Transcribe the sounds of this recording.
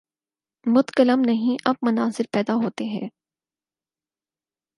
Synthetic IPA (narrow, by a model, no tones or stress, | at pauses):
mʊt̪kələmnɐɦĩʔɐb̚mɐnaːzɪɾpɛːd̪aɦoːt̪eɦɛ̰̃ː